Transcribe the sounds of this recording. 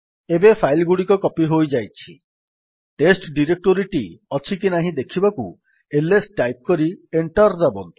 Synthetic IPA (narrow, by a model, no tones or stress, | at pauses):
ebepʰajlɡuɽikɔkɔpiɦojd͡ʒajt͡ʃʰi | ʈesʈɖiɾek̚ʈoɾiʈiɔt͡ʃʰikinaɦĩd̪ekʰibaku | elesʈajp̚kɔɾieɳʈɔɾd̪abɔnt̪u